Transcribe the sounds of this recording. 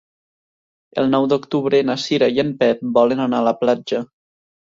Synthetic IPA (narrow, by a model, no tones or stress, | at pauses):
ə̰lˠnɔwd̪okt̪uβɾənasiɾajəmpɛt̪̚bɔlənanaːləplad͡ʒə